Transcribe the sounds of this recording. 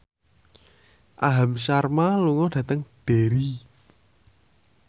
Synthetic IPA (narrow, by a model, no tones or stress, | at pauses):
ʔaɦamʃarmaluŋɔɖ̥ä̤t̪əŋd̥e̤ɾi